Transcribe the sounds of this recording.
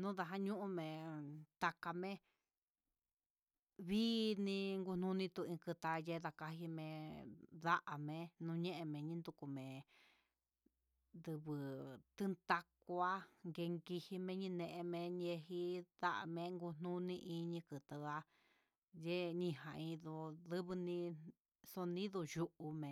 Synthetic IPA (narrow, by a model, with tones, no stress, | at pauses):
nũ˦ða˧ɦa˦ɲũ˦ʔũ˧mẽ˨t̪a˧ka˧mẽ˦ | βiː˦nĩ˧ŋɡu˧n̥nũ˦nĩ˧t̪u˧ĩ˧kɨ˧t̪a˧je˦ða˧ka˧ɦi˧mẽ˧ða˦ʔa˨mẽ˧nũ˧ɲẽ˦ʔe˧mẽ˨ɲĩ˦nd̪u˧ku˧mẽ˨ | nd̪ɨ˧βɨ˧t̪ɨ˦nt̪a˧kʷu˧a˦ŋɡe˧ŋɡi˧hi˧mẽ˧˦ɲĩ˧nẽ˧ʔẽ˧mẽ˧ɲe˧ɦi˧ða˦ʔa̰˨mẽ˧ŋɡu˧n̥nũ˦nĩ˧ʔĩ˧ɲĩ˧kɨ˨t̪a˧a˧ | je˦ɲĩ˧ɦã˨ĩ˧ðu˧ðɨ˦βɨ˧nĩ˧ | so˧nĩ˦ðu˧ju˧ʔu˧mẽ˨